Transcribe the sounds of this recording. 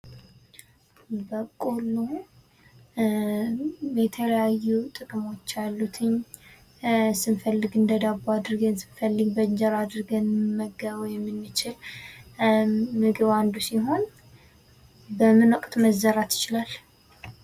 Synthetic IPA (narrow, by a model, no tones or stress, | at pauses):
bəkʼulu | jɛt̪ʰələjajːut̪ʼɨkʼmo̞t͡ʃːalːut̪ʰɨɲ | sɨnfəlːɨɡɨnd̪əd̪abad̪ɨɾɡənsɨ̥nfəlːɨɡbəɲd͡ʒəɾad̪ɨɾɡənməɡəβəjɛmːɨnːɨt͡ʃɪl | mɨɡɨβand̪usiɦo̞n | bəmːɨnwɔkʼt̪ʰməzːəɾat̪jɪ̥t͡ʃɪlal